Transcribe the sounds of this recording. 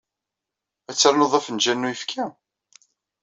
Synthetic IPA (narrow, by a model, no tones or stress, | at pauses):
æt͡sːɾnəðˤɑfənʒænːujəfkʰæ